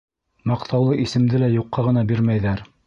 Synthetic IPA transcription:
mɑqt̪ɑwlˠɤʔisɘ̆md̪ɘlæjuqːɑʁɤ̆nɑbiɾmæjðæɾ

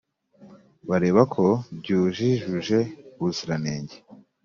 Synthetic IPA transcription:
βaɾeːβakʰo̞bɟuːʒiʒuʒe̞βuziɾaneːɲɟe

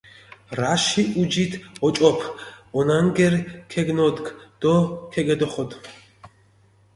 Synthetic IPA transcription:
ɾaʃiʔud͡ʒit̪ʰɔt͡ʃʼɔpʰɔnaŋɡɛɾkʰɛɡnɔd̪kd̪̥ɔkʰɛɡɛd̪ɔχɔd̪

